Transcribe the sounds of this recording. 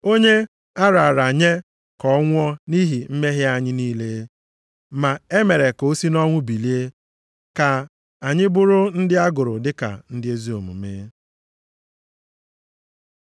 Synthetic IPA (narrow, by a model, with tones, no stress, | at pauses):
o˦ɲe˦ | a˦ɾa˨a˨ɾa˨ɲe˦ | kɔ˦ŋʷ˦ɔ˦ni˦ɦi˨m̩˦me˦ɦɪ˦a˦ɲɪ˦niː˦le˦ | ma˨e˦me˨ɾe˨ko˨˦si˦nɔ˦ŋʷʊ˦bi˨li˦e˦ | ka˨ | a˨ɲɪ˦bʊ˦ɾʊ˦n̩˦dɪ˦a˦ɡʊ˨ɾʊ˨dɪ˦ka̰˨n̩˦dɪ˦e˦zi˦o˨mṵ˨me˦